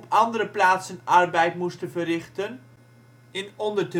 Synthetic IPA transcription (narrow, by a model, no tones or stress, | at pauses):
pʰɑndəɾəplaːtsənɑrbɛjtmustəvərɪχtən | ɪnɔndərt